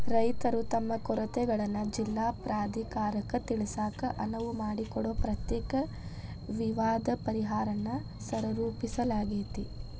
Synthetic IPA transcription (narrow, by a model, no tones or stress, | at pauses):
ɾɐjt̪ɐɾut̪ɐmːɐkɔɾɐt̪ɛɡɐɭɐnːɐd͡ʒilːaːpɾaːd̪ʱikaːɾɐkːɐt̪iɭisaːkɐʔɐnɐʋumaːɽikɔɽoːpɾɐt̪jɛːkɐ | ʋiʋaːd̪ɐpɐɾiɦaːɾɐnːɐ | sɐɾɐɾuːpisɐlaːɡit̪i